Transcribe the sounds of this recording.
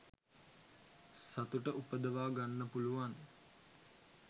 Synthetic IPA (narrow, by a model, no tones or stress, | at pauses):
sat̪uʈəʔupəd̪əʋaːɡanːəpuluʋan